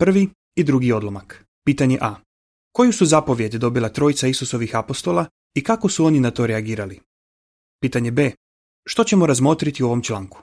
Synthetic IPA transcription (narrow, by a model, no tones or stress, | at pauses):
pr̩ʋi | id̪ɾuɡio̞d̪lˠomak | piːt̪aɲe̞ʔa | ko̞jusuzapo̞ʋje̞d̪d̪o̞bilˠat̪ɾo̞jit̪saisuso̞ʋixapo̞st̪o̞la | ikako̞suo̞ninat̪o̞ːɾeaɡiːɾali | piːt̪aɲe̞be̞ː | ʃt̪o̞t͡ɕe̞mo̞ɾazmo̞ːt̪ɾit̪iuo̞ʋo̞mt͡ʃlˠaːŋku̥